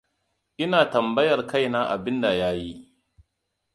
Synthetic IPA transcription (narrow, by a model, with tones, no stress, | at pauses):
ʔɪ˦naː˨tɐ˨mbɐ˦jɐ˨rka˦˨jnaː˦ʔa˨bɪ˦nda˨jaː˦ji˦